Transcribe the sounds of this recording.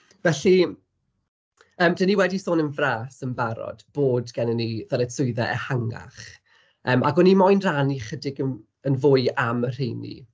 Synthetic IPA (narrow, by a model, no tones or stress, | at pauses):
vɛɬi | əːmdəniwɛdisoːnənvraːsənbaɾɔ̰d̥b̥oːdɡɛnəniðɛɾɛsʊɨðɛʔɛ̰haŋa̰χ | əːmaɡɔnimɔjnraniχədɪɡən | ənvʊɨamər̥ejnḭ